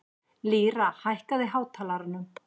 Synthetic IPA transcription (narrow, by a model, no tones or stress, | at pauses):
liːɾahajhkaðɪɦaːwt̪ʰaːlaɾʏnːʏm